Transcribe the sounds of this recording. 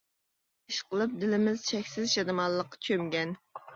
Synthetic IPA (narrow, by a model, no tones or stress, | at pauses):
iʃqəlˠɨp̚d̪ɪlɪmɪzt͡ʃʰɛkʲsɪzʃɑnɨmɑllˠːəqːɑ̥t͡ʃʰømɡʲɛn